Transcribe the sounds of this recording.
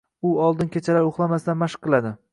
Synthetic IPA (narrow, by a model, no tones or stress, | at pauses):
ʊɒlˠd̪ɪnkʲʰet͡ʃʰalaɾoχlˠamasd̪anmaʃɨ̥qːɨlˠad̪ɪ